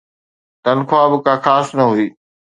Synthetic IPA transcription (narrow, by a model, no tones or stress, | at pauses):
t̪ɐnkʰoaːbɪkaːxaːsnɐɦuiː